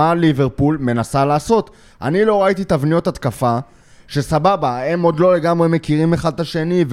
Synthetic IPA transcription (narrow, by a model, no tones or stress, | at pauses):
aliveʁpulme̞nasalaːso̞t̪ | ʔa̰nilo̞ʁait̪it̪avnijo̞t̪at̪kafa | ʃe̞sababaemo̞d̪lo̞le̞ɡamʁe̞me̞kiʁimeχad̪̚aʃe̞niv